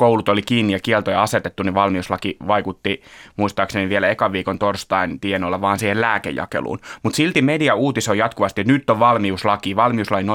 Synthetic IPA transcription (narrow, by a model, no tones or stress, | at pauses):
koulut̪olikiːnːijɑkiɛlt̪ojɑɑset̪et̪ːuniʋɑlmiuslɑkiʋɑikut̪ːimuist̪ɑːkseniʋielæekɑʋiːkont̪orst̪ɑint̪ienolːɑʋɑːnsiːhellæːkḛjɑ̰kḛlṵːnmut̪silt̪imediɑuːt̪isojɑt̪kuʋɑst̪iot̪nyt̪ːoʋʋɑlmiuslɑkiːʋɑlmiuslɑkino